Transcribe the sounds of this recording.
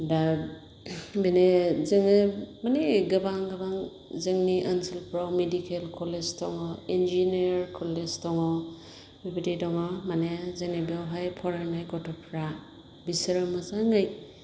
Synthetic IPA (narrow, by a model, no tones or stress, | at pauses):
da | benezɯŋemaneɡɯbaŋɡɯbaŋ | zɯŋniʔansilpɾawmedikelkʰɔleztɔŋɔend͡ʒinɾkʰɔleztɔŋɔ | bibitidɔŋɔmanezenebiawɦajpʰɔɾanajɡɔtʰɔpʰɾa | bisɾɯmazaŋɡɯj